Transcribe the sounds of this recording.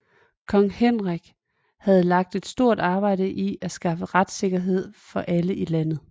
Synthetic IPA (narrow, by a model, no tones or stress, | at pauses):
kʰɒ̽ŋhen̰ʁaɡ̥ | hæð̞ˠlɑ̈ɡ̥̚d̥e̝d̥sd̥o̝ɐ̰d̥ɑ̈ːb̥ɑ̈ɪ̰ɾ̥əʔiʔæsɡ̥ɑ̈fəʁad̥se̝ɡ̥ɐɦe̝ð̞̰ˠfɒ̽ʔæləʔilæn̰ð̩ˠ